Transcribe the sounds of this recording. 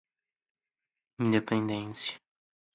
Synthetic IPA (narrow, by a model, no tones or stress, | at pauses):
ĩnd̪epẽnd̪ẽsjɐ